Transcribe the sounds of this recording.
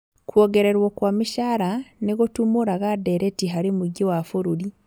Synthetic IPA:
kwoɡeɾeɾwokwaːmiʃaːɾaniɣotumuɾaɣadeɾetiɦaɾimuɟiwafuɾuɾi

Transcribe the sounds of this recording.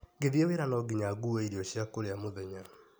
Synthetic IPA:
ɡeðiɛweɾanɔɡiɲaɡuwɛiɾiɔɕjakoɾeamoðɛɲan

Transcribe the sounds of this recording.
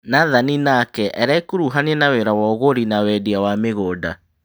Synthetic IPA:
naðaninakɛʔɛɾaikoɾuɦaneɛnawɛɾawɔɣoɾinawɛdiawameɣoːda

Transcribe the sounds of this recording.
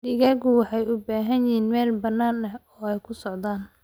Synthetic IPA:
dɪɣɐɣʊwɑħɑjʊbaːɦɐnjɪɦiːnmɛːlbɐnːaːnɐɔːɛjkʰʊsɔʕd̪aːn

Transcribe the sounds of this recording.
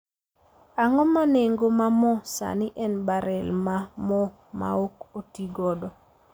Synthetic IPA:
aŋɔmaneŋɡomamɔsa̰nɪʔɛnbaɾɛlmamɔ | ma̰okotiɡɔdɔ

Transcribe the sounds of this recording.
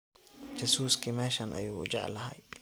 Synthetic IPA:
d͡ʒɐsuːskʰimɛːʃɐnʔɐ̰juːʊ̰d͡ʒɑ̰ʕlɐɦɐ̰j

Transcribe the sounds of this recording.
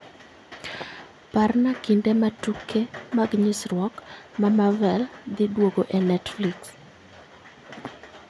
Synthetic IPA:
parnakindematukʰːemaɡɲɪsrwɔkmamavɛld̪ɪdwoɡoʔɛnɛtfliks

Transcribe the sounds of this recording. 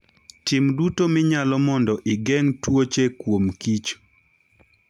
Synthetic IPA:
tɪmdutomɪɲalɔmɔndɔʔɪɡɛŋtwot͡ʃekwomkit͡ʃ

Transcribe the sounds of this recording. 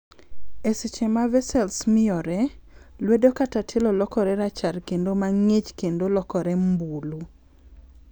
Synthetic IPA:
esɪt͡ʃɛmavɛsɛlsmɪɔɾɛ | lwedokatatʰelɔlɔkɔɾɛɾat͡ʃarkendomaŋet͡ʃkendolɔkɔɾɛmbulu

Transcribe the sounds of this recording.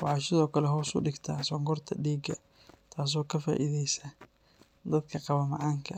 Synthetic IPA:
wɑʕɑːʃɪðɔːkʰɐlɛɦɔːsʊ̰ɖɪɡt̪ʰɐsɔŋɡɔrt̪ʰɐɖiːɡɐ | t̪ʰaːs̬ɔːkʰɐfa̰ːʔiðɛjsɐ | d̪ɐd̪kʰɐqɑβɐmɑʕɑːŋkʰɐ

